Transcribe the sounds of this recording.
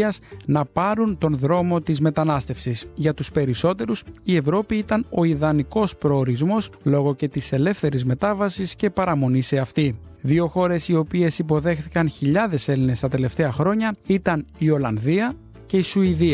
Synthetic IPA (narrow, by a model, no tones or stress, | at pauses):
ɐznɐpɐɾunt̪o̞nðɾo̞mo̞t̪izme̞t̪ɐnɐst̪e̞fsisʝɐt̪uspe̞ɾiso̞t̪e̞ɾusie̞vɾo̞piit̪ɐno̞iðɐniko̞spɾo̞ːɾizmo̞slo̞ɣo̞ce̞t̪ise̞le̞fθe̞ɾizme̞t̪ɐvɐsisce̞pɐɾɐmo̞nise̞ɐft̪iðio̞xo̞ɾe̞sio̞pie̞sipo̞ðe̞xθikɐnçiʎɐðe̞se̞line̞st̪ɐt̪e̞le̞ft̪e̞ɐxɾo̞ɲɐit̪ɐnio̞lɐnðiɐ | ce̞isuiði